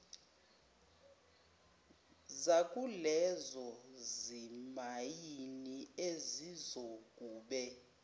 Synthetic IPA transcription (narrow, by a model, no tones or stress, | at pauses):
zakʼulɛzɔzimajiniezizoɡ̥ʼuːɓɛ